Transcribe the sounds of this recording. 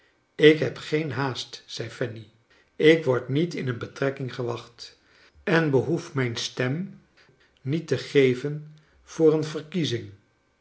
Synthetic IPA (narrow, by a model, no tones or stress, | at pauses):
ɪkɦɛpχejnɦaːstsɛjfɛni | ɪkʋɔɹtnitɪnənbətrɛkɪŋχəʋɑχt | ɛnbəɦufmɛjnstɛm | nitəχejvən | v̥ʊːɹənvəɹkizɪŋ